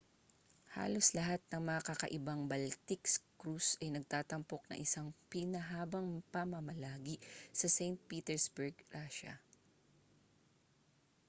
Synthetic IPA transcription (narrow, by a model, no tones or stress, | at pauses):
ha̰ːloslɐɦat̪̚nɐŋmɐŋɐkɐkɐ̰ʔɪbaŋbɐlt̪ɪkskɾusɐjnɐɡ̚t̪aːt̪ɐmpok̚nɐ̰ŋʔɪsaŋpɪnɐɦaːbɐŋpɐmɐmɐlaːɡisɐsɛjnt̪̚piːt̪ɛɹsbɛɹɡɾaʃɐ̰